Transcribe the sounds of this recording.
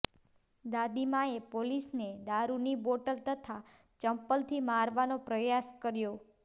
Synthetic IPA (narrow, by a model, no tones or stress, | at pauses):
d̪ad̪imaepolisned̪aɾuniboʈəlt̪ət̪ʰa | t͡ʃəmpəlt̪ʰimaɾʋanopɾəjaskəɾjo